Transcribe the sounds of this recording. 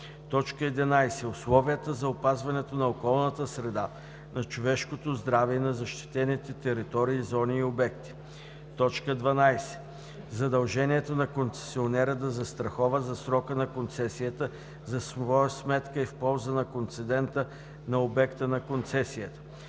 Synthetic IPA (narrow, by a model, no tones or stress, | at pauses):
t̪ɔt͡ʃkəɛd̪ɛnajsɛʊslˠɔvijət̪əzɐopazvɐnɛt̪onɐokɔlˠnət̪əsɾɛd̪a | nɐt͡ʃovɛʃkot̪ozd̪ɾavɛɛnɐzɐʃt̪i̥t̪ɛnit̪ɛt̪ɛɾit̪ɔɾiːzɔniːobɛkt̪i̥ | t̪ɔt͡ʃkəd̪vɐnajsɛ̥ | zɐd̪ɐlˠʒɛniɛt̪onɐkont̪sɛ̥sionɛɾəd̪ɐzɐst̪ɾɐxɔvəzɐsɾɔkənɐkont̪sɛsijət̪ə | zɐsvɔjəsmɛt̪kəifpɔlˠzənɐkont̪sɛd̪ɛnt̪ə | nɐobɛkt̪ənɐkont̪sɛsijət̪ə̥